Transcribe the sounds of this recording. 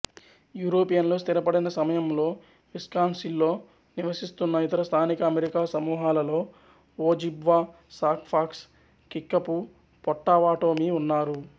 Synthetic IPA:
juːɾo̞ːpijɐnlo̞ːst̪iɾɐpɐɽinɐsɐmɐjɐmlo̞ː | ʋiskaːnsilːo̞ː | niʋɐsist̪unːɐit̪ɐɾɐst̪ʰaːnikɐːmeɾikaːsɐmuːɦaːlɐlo̞ː | oːd͡ʒibʋaː | saːkpʰaːks | kikːɐpu | pɔʈːaːʋaːʈo̞ːmiunːaːɾu

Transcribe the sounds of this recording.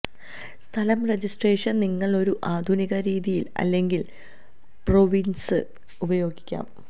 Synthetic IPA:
st̪ʰɐlɐmred͡ʑisʈreːʂɐnniŋːɐɭo̞ɾuʔaːd̪ʱuniɣɐɾiːðijilɐ̰lːe̞ŋɡil | proʋinsɨ | ubɐjo̞ːɡikʲːa̰ːm

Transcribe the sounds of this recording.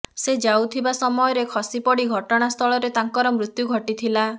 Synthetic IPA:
sed͡ʒawt̪ʰibasɔmɔjɔɾekʰɔsipɔɽiɡʱɔʈɔɽ̃ast̪ʰɔɭɔɾet̪aŋkɔɾɔmɾut̪juɡʱɔʈit̪ʰila

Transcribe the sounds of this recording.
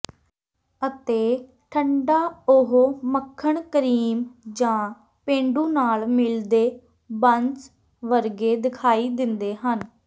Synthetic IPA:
ət̪eː | ʈʰəɳɖaːʊɦoməkʰːəɳkəɾiːmd͡ʒãː | pẽːɳɖũːnaːlmɪld̪eː | bənt͡ʃ | ʋəɾɡeːd̪ɪkʰaːiːd̪ɪnd̪eːɦən

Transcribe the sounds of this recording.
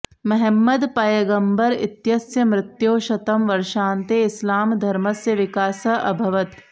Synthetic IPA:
mɐɦɛmːɐd̪pɐjɐɡɐmbɐɾɪ̰t̪jɐsjɐmɾɪt̪joːʃɐt̪ɐmʋɐɾʃaːnt̪eːɪslaːmd̪ʱɐɾmɐsjɐʋɪkaːsɐʔɐbʱɐʋɐt̪

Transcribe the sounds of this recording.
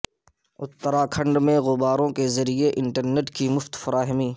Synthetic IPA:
ʊt̪ːəɾakʰɐ̃ɳɖmẽɣʊbaːɾõkezɐɾieʔɪ̃ɳʈəɾneʈkimʊft̪fɐɾaːɦmiː

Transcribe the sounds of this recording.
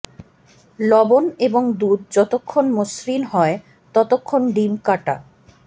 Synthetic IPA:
lɔboneboŋd̪ud̪̚d͡ʑɔt̪okʰːonmosɾinɦɔe | t̪ɔt̪okʰːonɖimkaʈa̰

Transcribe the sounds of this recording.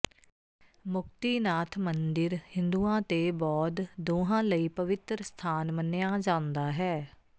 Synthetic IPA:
mʊk̚t̪iːnaːt̪ʰmənd̪ɪɾhɪ̃nd̪uːãːt̪eːbɔːt̪d̪oːɦãːləiːpəʋɪt̪ɾəst̪ʰaːnmənejaːd͡ʒãːnd̪aːɦɛː

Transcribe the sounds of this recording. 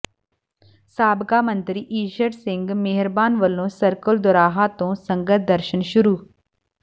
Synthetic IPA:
saːbkaːmə̃nt̪ɾiːʔiːʃəɾsɪ̃ŋɡmeɦɾbaːnʋəlːõːsəɾkəld̪ʊɾaːɦat̪õːsə̃ŋɡət̪̚ʰd̪əɾʃənʃʊɾuː

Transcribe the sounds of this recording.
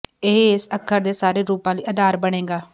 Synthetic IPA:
eɦɪsəkʰːəɾd̪eːsaːɾeːɾuːpãːliːəd̪aːɾbəɽ̃ẽːɡaː

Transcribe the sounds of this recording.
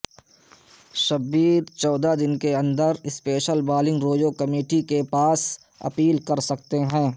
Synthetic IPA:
ʃɐbiːd̪t͡ʃɔːd̪ad̪ɪnkeɐ̃nd̪əɾɪspeːʃəlbaːlɪ̃ŋɡɾoːd͡ʒokɐmeːʈikepaːs | ɐ̰piːlkɐɾsɐkt̪eɦɛ̃ː

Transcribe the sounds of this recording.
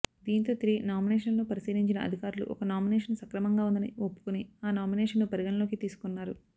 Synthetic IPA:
d̪iːnt̪o̞ːt̪ɾiːnaːmineːʂɐnloːpɐɾisiːɾiɲt͡ʃinɐ̰ɐ̰d̪ʱikaːɾulṵʔɔ̰kɐnaːmineːʂɐnsɐkɾɐmɐŋɡaːund̪ɐnɐopːu̥kuniaːnaːmineːʂɐnːupɐɾiɡɐnɐlo̞ːkit̪iːsu̥kunːaːɾu

